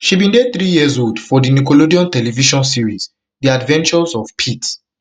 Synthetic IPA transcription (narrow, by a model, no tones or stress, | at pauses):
ʃibĩndeθɹijizodfɔdinikolodiɔ̃ntɛlɛviʃɔ̃nsiɹiz | diadvɛ̃nt͡ʃɔzɔvpʰits